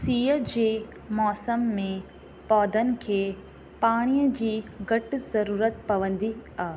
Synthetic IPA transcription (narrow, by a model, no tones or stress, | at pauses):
siːəd͡ʑeː | mɔːsəmːẽ | pɔːd̪ənɪ̆kʰeː | paːɽ̃ijəd͡ʑiːɡɐʈɪ̆zɐɾuːɾət̪pɐʋə̃nd̪iaːɦe